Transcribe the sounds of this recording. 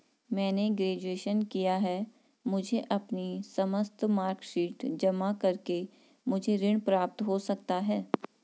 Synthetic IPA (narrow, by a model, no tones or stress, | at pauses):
mɛ̃ːneɡɾeːd͡ʒueːʃənkijaɦɛ | mʊd͡ʒʱeʔɐpnisɐməst̪maːɾkʃiːʈd͡ʒɐmakɐɾke | mʊd͡ʒʱeɾɪɽ̃pɾaːp̚t̪ɦosɐk̚t̪aɦɛː